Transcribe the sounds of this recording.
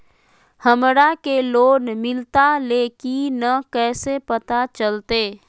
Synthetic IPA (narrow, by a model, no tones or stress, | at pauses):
həmɾakeloːnmɪlt̪alekinəkɛːsepət̪at͡ʃəlt̪eː